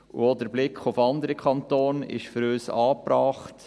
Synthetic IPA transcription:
ʔṵɔdəɾblɪkχʊfɑnd̪əɾəkʰɑntoːnɪ̰ʃføɾøːsɑːpɾɑːχt

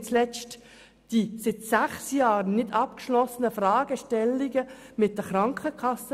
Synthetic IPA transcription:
t͡slɛt͡st | d̥isɪt̪sæχsjɑːɾnɪdɑp̚kʃlɔsənəfɾɑːɡəʃtɛlːiɡə | mɪt̚d̥əχɾɑŋkʰəkʰɑsə

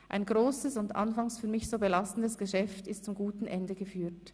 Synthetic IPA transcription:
ʔa̰ɪnɡʁoːsəsʊndʔa̰nfaŋsfyːɐmɪçz̥oːbəlastn̩dəsɡ̥əʃɛftɪstt͡sʊmɡuːtn̩ʔɛndəɡəfyːt

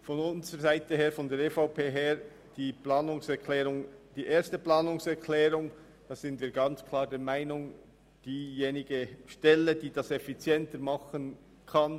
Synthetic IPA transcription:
fɔnʊnzəʁəzaɪtəɦeːɐɾfɔndɛːɾefaʊpʰeːɦeːɾ | d̥iːpʰlaːnʊŋsɛkʰlɛːɾʊŋd̥iːʔeːɐstəplaːnʊŋsɛɾkʰl̥ɛːɾʊŋ | d̥ɑːz̥ɪntv̥iːɐɡɑnt͡skʰlaːɾdɛːɐmaɪnʊŋ | d̥iːjeːnɪɡəʃtɛləd̥iːd̥ɑsɛfit͡sjɛntəɾmɑχən | kʰɑn

